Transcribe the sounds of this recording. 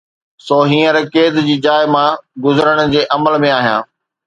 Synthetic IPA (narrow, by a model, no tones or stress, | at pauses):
soːɦĩːə̃ɾkeːd̪d͡ʑiːd͡ʑaːɪmãɡʊzəɾəɽ̃ʊ̆d͡ʑeːʔɐməlmẽaːɦijã̰ː